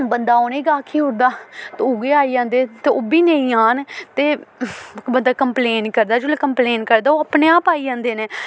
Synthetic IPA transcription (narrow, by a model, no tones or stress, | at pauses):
bənd̪aːoːneːɡaːkʰiːɦod̪aːt̪ːʊːɡeːaːiːd͡ʒãːnd̪eːt̪eːoːbiːnə̃ĩːaːnt̪eː | bənd̪aːkəmpleːnkəɾd̪aːd͡ʒoleːkəmpleːnkəɾd̪aːoːəpneːaːpaːiːd͡ʒãːnd̪eːneː